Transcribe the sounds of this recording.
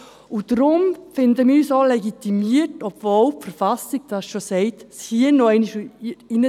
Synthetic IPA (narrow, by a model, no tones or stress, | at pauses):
ud̥ɾʊmfɪndəmisolɛɡit̪imiəɾtɔbvolpfəɾfɑsiɡ̥̚d̥ɑsʃosɛɪtshiənɔɛɪniʃinə